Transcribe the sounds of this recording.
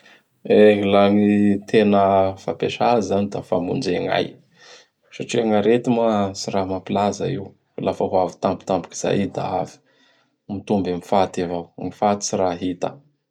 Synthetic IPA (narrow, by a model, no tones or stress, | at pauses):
eɦilaŋit̪ʰenəfa̰peʃazanid̪afamṵnd͡zeŋa̰j | ʃaʈ͡ʂiaŋaɾet̪imasiɾamapilaza̰iw | lafaɦuavi̥t̪ampu̥t̪ampu̥ki̥z̥a̰jid̪a̰avi̥ | mit̪umbamifat̪evawŋifat̪i̥siɾaɦit̪ə̰